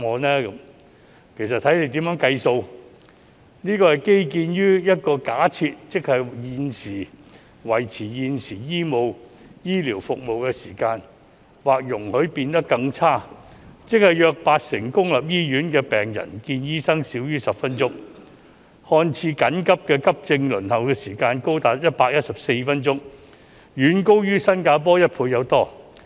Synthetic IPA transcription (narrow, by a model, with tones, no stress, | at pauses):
ŋɔː˨˧nɛː˥kɐ˨˥m | kʰe˨˩js̬ɐ˨t̪ʰɐ˨˥jne˧˥jt̪iː˨˥mjœː˨˥ŋkɐ˧jso˧w | niː˥kɔː˧hɐ˨jke˥jkiː˧njyː˥jɐ˥t̚kɔː˧kaː˨˥t͡sʰiː˧t̚t͡sɪ˥k̚hɐ˨jjiː˨˧nsiː˨˩ | wɐ˨˩jt͡sʰiː˨˩jiː˨˧nsiː˨˩jiː˥mo˨wjiː˥liː˨˩wfʊ˨k̚mo˨wkɛː˧siː˨˩kaː˧n | waː˨k̚jʊ˨˩ŋhɵ˨˥ɥpiː˧nt̪ɐ˥kːɐ˧ŋt͡sʰaː˥t͡sɪ˥k̚hɐ˨jjœː˧k̚paː˧t̚sɪ˨˩ŋkʊ˥ŋlɐ˨p̚jiː˥jyː˨˥nkɛː˧pɛː˨ŋjɐ̰˨˩nkiː˧njiː˥sɐ˥ŋsiː˨˥wjyː˥sɐ˨pfɐ˥nt͡sʊ˥ŋ | hɔː˧nt͡sʰiː˧kɐ˨˥nkɐ˥p̚kɛː˧kɐ˥p̚t͡sɪ˧ŋlɵ˨˩nhɐ˨wkɛː˧siː˨˩kaː˧nko˥wt̪aː˨˥t̚jɐ˥t̚paː˧k̚jɐ˥t̚sɐ˨p̚se˧jfɐ˥nt͡sʊ˥ŋ | jyː˨˥nko˥wjyː˥sɐ˥nkaː˧p̬ɔː˥jɐ˥t̚pʰuː˧jɐ˨˧wt̪ɔː˥